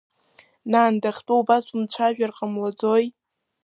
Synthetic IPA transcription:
naːndaχʲtʼoubasumt͡ɕʷʰaʒᶣarqʼamlad͡zoj

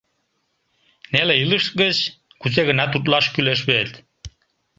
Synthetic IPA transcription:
neleiləʃt̪̚ɡət͡ɕ | kuseɣə̆nɑt̪ut̪̬lɑʃkyleʃβet̪

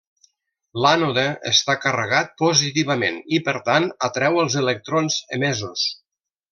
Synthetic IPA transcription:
lanoðeə̰st̪akərəɣat̪̚pozit̪iβəmḛnipəɾt̪anət̪ɾɛwəlˠzələk̚t̪ɾonzə̰mezus

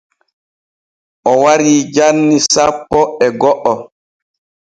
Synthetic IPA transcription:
ʔɔwaɾiːd͡ʒanːisapːɔɛɡɔʔːɔ

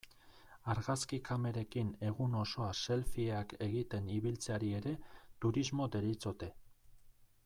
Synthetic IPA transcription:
aɾɣaskikame̞ɾe̞kine̞ɣuno̞so̞ase̞lfieake̞ɣit̪e̞niβilt͡seaɾie̞ɾe̞t̪uɾizmo̞d̪e̞ɾit͡so̞t̪e̞

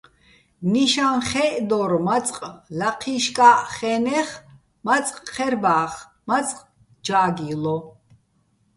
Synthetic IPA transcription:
niʃanχɛʔd̪ɔɾmat͡sʼqʼlaqʰiʃkʼaʔχɛnɛχ | mat͡sʼqʼχɛɾbaːχ | mat͡sʼqʼ | d͡ʒaːɡilɔ

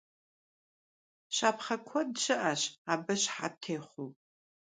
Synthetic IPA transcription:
ɕaːpʰχɐkʷʰɔdʃɨʔɐɕaːbɨɕħa̰tʰeːχʷuw

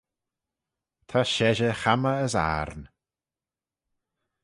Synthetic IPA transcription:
t̪ʰaʃɛʒəxaməːsa̰ɾn

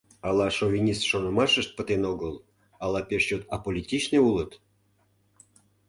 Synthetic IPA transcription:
ɑlɑʃovʲinʲist̪ʃonəmɑʃəʃt̪̚pət̪enoɣəl | ɑlɑpeʃt͡ɕot̪ɑpolʲitʲit͡ɕneulət̪

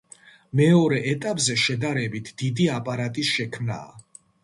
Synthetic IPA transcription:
mɛɔɾɛʔɛt̪ʼapʼzɛʃɛd̪aɾɛbit̪ʰd̪̥id̪iapʼaɾat̪ʼisʃɛkʰmna̰ː

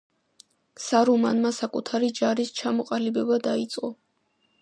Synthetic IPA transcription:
saɾɔmanmasakʼut̪ʰaɾid͡ʒaɾist͡ʃʰamɔqʼalibɛbad̪ait̪sʼqʼɔ

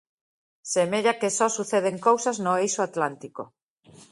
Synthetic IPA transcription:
semeʎakesɔsuθeðeŋkowsaznoejsoat̪lant̪iko̰

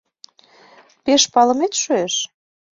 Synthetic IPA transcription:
peʃpɑlə̆met̪ʃøeʃ

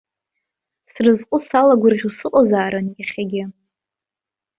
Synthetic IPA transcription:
srɨzqʷʼʊsalaɡʷʊrʁʲusɨqʼazaːɾankʲaχʲaɡʲɪ

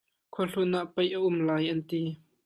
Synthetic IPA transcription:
kʰɔɬunaʔpɐjʔəʔʊmlaːjʔɐnt̪i

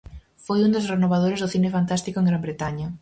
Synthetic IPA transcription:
fojund̪osrenoβaðoɾezðʊθinefant̪ast̪ikoeŋɡɾambɾet̪aɲɐ

